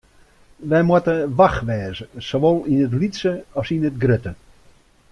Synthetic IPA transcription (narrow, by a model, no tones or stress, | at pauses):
ʋɛjmwatəʋaxʋɛːzəsoʋolˠinətlitsəɔsinət̚ɡrøtə